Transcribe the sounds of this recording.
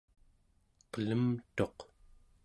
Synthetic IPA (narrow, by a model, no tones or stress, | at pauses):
qələmt̪o̞q